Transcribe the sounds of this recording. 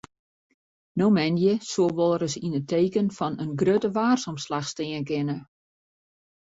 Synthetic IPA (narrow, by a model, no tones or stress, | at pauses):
nowmɛnjəsoəlˠʋɔlˠəɾəsinətʰeːkənfɔnənɡrøtəʋaːrsɔmslaxstɪənkɪnə